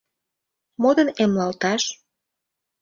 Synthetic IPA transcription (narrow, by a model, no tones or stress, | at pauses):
mod̪ə̆nemlɑlt̪ɑʃ